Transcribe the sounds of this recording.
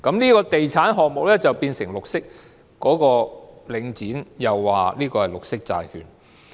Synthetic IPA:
kɐ˨˥mniː˥kɔː˧t̪e˨jt͡sʰaː˨˥nɦɔː˨k̚mʊ˨k̚lɛː˥t͡sɐ˨wpiː˧nsɪ˨˩ŋlʊ˨k̚sɪ˥k̚ː | ɔː˨˥kɔː˧lɪ˨˧ŋt͡siː˨˥njɐ˨wːaː˨liː˥kɔː˧hɐ˨jlʊ˨k̚sɪ˥k̚t͡sa̰ː˨˧jkʰy̰ː˨n

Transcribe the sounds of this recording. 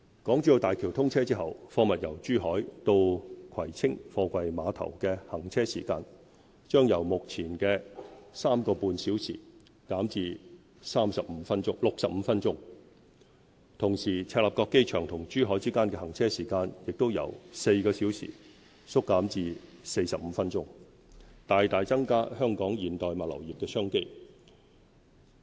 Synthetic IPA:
kɔː˨˥ŋt͡ʃyː˧˥jo˧t̪aː˨˩jkʰiː˨˩wt̪ʰʊ˥ŋt͡sʰɛː˥t͡siː˥ɦɐ˨wfɔː˧mɐ˨t̚jɐ˨˩wt͡ʃyː˥ɦɔː˨˥jt̪o˧wkʰɐ˨˩jt͡sʰɪ˥ŋfɔː˧kʷɐ˧jmaː˨˧t̪ʰɐ̰˨˩wkɛː˧hɐ˨˩ŋt͡sʰɛː˥sḭː˨˩kaː˧n | t͡ʃœː˥ŋjɐ˨˩wmʊ˨k̚t͡sʰiː˨˩nkɛː˧saː˥mkɔː˧puː˧nsiː˨˥wsʰḭː˨˩ | kaː˨˥mt͡siː˧ | saː˥msɐ˨p̚m̩ː˨˧fɐ˥nt͡ʃʊ˥ŋlʊ˨k̚sɐ˨p̚m̩˨˧˦fɐ˥nt͡ʃʊ˥ŋ | t̪ʰʊ˨˩ŋsiː˨˩t͡sʰɛː˧t̚laː˨p̚kɔː˧kːe˥jt͡ʃʰœː˨˩ŋt̪ʰʊ˨˩ŋt͡ʃyː˥ɦɔː˨˥jt͡siː˥kaː˥nkɛː˧hɐ˨˩ŋt͡sʰɛː˥siː˨˩kaː˧njɪ˨k̚t̪wjɐ̰˨˩wse˧jkɔː˧siː˨˥wsʰḭː˨˩ | sʊ˥kːaː˨˥mt͡siː˧se˧jsɐ˨p̚m̩˨˧˦fɐ˥nt͡ʃʊ˥ŋ | t̪aː˨jt̪aː˨jt͡sɐ˥ŋkaː˥hœː˥ŋkɔː˨˥ŋjiː˨˩nt̪ɔː˨jmaː˨t̚lɐ̰˨˩wjiː˨p̚kɛː˧sœː˥ŋke˥j

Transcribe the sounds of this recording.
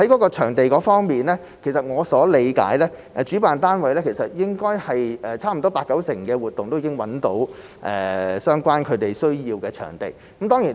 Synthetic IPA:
hɐ˨˥jkɔː˨˥kɔː˧t͡ʃʰœː˨˩ŋt̪e˨jkɔː˨˥fɔː˥ŋmiː˨nlɛː˥ | kʰsɐ˨t̚ŋɔː˨˧sɔː˨˥le˨˧jka̰ː˨˥jlɛː˥ʔt͡ʃy˨˥paː˨nt̪aː˥nwɐ˨˧jlɛː˥kʰsɐ˨t̚jɪ˥ŋkɔː˥jhɐ˨jɛː˨t͡sʰaː˥m̩˨˩t̪ɔː˥paː˧kːɐ˨˥wsɪ˨˩ŋkɛː˧wuː˨t̚t̪ʊ˨ŋt̪o˥wjiː˧kɪ˥ŋwɐ˨˥nt̪o̰˨˥w | ʔɛ̰ː˨sœː˥ŋkʷwaː˥nkʰɵ˨˧ɥt̪e˨jsɵ˥ɥjiː˧wkɛː˧t͡ʃʰœ̰ː˨˩ŋt̪ḛ˨jkɐ˨˥mt̪ɔː˥ŋjiː˨˩n

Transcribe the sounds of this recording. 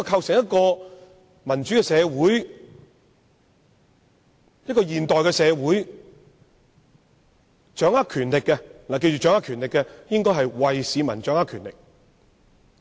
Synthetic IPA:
ɔ˧kʰɐ˧wsɪ˨˩ŋjɐ˥t̚kɔː˧ | mɐ˨˩nt͡ʃyː˨˥kɛ˧sɛː˨˧wuː˨˥j | jɐ˥t̚kɔː˧jiː˨nt̪ɔː˨jkɛː˧sɛː˨˧wuː˨˥j | t͡ʃœː˨˥ŋaː˥kʰyː˨˩nlɪ˨kːɛ˧laː˨k̬e˧jt͡ʃyː˨t͡ʃœː˨˥ŋaː˥kʰyː˨˩nlɪ˨kːɛ˧jɪ˥ŋkɔː˥jɦɐ˨jwɐ˨jsiː˨˧mɐ˨˩nt͡ʃœː˨˥ŋaː˥kʰyː˨˩nlɪ˨k̚

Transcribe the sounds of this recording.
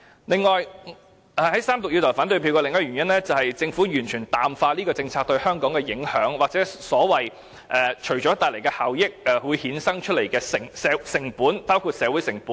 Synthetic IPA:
lɪ˨ŋːɔː˨j | ʔɛ˨˩hɐ˨˥jsaː˥mt̪ʊ˨k̚ji˧t̪ʰɔ˨˩faː˨˥nt̪ɵ˧pʰi˧wkɔː˧lɪ˨˩ŋɐː˥ɥyː˨˩njɐ˥nlɛː˥t͡sɐ˨˩whɐ˨jt͡sɪ˧ŋfuː˨˥jyː˨˩nt͡ʃʰyː˨˩nt̪aː˨˩mfaː˧liː˥kɔː˧t͡sɪ˧ŋt͡sʰaː˧k̚t̪ɵ˧ɥhœː˥ŋkɔː˨˥ŋkɛː˧jɪ˨˥ŋhœː˨˥ŋwaː˨k̚t͡sɛː˨˥sɔː˨˥wɐ˨j | ʔɛː˨t͡ʃʰɵ˨˩ɥt͡ʃɔː˨˥t̪aː˨jle˨˩jkɛː˧haː˨wjɪ˥k̚ʔɛ˨˧wu˨˧jhiː˨˥nsɐ˥ŋt͡ʃʰɵ˥t̚le˨˩jkɛː˧sɪ˨˩ŋsɛː˨˧sɪ˨˩ŋpuː˨˥npaː˥wkʰuː˧t̚sɛː˨˧wuː˨˥jsɪ˨˩ŋpuː˨˦n

